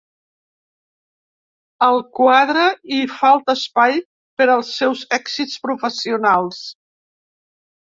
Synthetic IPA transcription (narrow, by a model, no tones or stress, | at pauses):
əlˠkwaðɾəifalˠt̪əːspaj | pəɾəlˠsɛwzɛksit͡spɾufəsiunalˠs